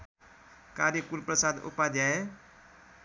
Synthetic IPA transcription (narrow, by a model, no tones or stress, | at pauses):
kaɾjəkulprʌsad̪ṵpːad̪ʱjae